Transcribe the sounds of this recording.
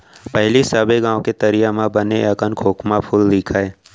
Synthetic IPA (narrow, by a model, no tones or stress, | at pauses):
pɛɦlisabeɡãːw̃ket̪ɐɾijamãbəneɐkənkʰoːkmapʰʊld̪iːkʰaeː